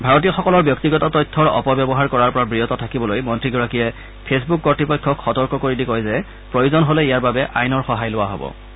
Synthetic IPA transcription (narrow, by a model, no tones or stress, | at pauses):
bʱaɹɔt̬iɔxɔkɔlɔɹbjɔk̚tiɡɔtɔtɔjtʰːɔɹɔ̰pɔbjɔbɔɦaɹkɔɹaɹpɔɹabɹijɔtɔtʰakibɔlojmɔntɹiɡɔɹakijɛ | pʰesbukːɔɹtipɔjkʰːɔkxɔtɔɹkɔkoɹidikɔjzɛ | pɹojozɔnɦolɛijaɹbabɛʔa̰jnɔɹxɔɦajlʊwaɦo̰bɔ̰